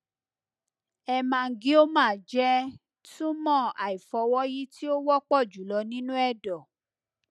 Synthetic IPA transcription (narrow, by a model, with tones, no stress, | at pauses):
ɛ˧mã˧˨ɡĩ˦o˦mãː˦˨d͡ʒɛ˦ | tũ˦mɔ̃˦˨a˨i˨fɔ˨˧wɔ˦ji˦ti˦o˦wɔ˦k͡pɔ˦˨d͡ʒu˨˦lɔ˧nĩ˦nũ˦ɛ˦˨dɔ˨